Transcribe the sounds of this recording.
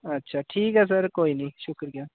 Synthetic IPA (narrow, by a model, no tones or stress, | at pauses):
ɐtːʃʰaːʈʰiːkɛs̬ɐɾkoːiːnĩʃʊkɾijaː